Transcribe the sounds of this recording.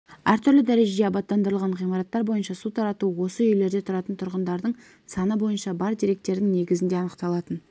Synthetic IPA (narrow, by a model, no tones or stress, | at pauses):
æɾt̪ʰʏɾlɪd̪æɾe̞ʒeeɑbɑt̪ːɑnd̪əɾəlˠʁɑɴʁijmɑɾɑt̪ːɑɾbo̞jənʃɑsut̪ʰɑɾɑt̪uwo̞səjʏjle̞ɾd̪e̞t̪ʰʊɾɑt̪ənt̪ʰʊɾʁənd̪ɑɾd̪əɴ | sɑnəbo̞jənʃɑbɑɾd̪iɾe̞k̚t̪e̞ɾd̪ɪŋne̞ɡʲɪzɪnd̪e̞ɑnəqt̪ɑlˠɑt̪ən